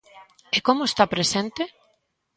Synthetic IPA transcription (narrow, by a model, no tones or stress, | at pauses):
ekomoest̪apɾesent̪e